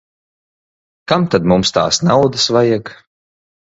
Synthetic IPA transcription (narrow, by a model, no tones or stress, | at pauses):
kamt̪ad̪mumst̪a̰ːsnawd̪asvajak